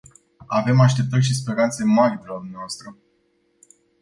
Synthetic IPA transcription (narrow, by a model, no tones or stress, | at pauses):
ave̞maʃt̪e̞p̚t̪ərʲʃ̬ispe̞ɾant̪se̞maɾʲed̪elad̪umneaoast̪ɾə